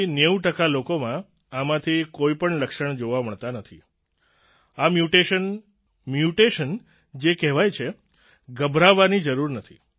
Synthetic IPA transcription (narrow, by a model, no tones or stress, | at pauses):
neuʈəkalokomã | amãt̪ʰikoipəɳləkʃəɳd͡ʒoʋaməɭt̪anət̪ʰi | amjuʈeən | mjuʈeʃən | d͡ʒekɛɦʋajt͡ʃʰe | ɡəbʱɾaʋːanid͡ʒəɾuɾnət̪ʰḭ